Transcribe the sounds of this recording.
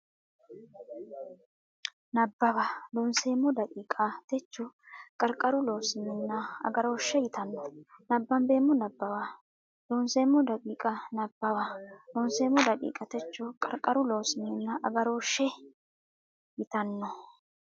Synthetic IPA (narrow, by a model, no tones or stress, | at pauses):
nɐbːɐwɐd̪onseːmːɔd̪ɐkʼiːkʼɐt̪ɛt͡ʃːɔkʼɐɾkʼːɐɾʊloːsɪmːɪnːɐɐ̰ɡɐɾo̞ːʃːɛjɪt̪ɐnːɔnɐbːɐmbe̞ːmːɔnɐbːɐwɐ | loːnseːmːɔd̪ɐkʼiːkʼɐnɐbːɐwɐlɔnseːmːɔd̪ɐkʼḭːkʼɐt̪ɛt͡ʃːɔkʼɐɾkʼɐɾʊloːsɪmːɪnːɐʔɐɡɐɾo̞ːʃːɛ | jɪt̪ɐnːɔ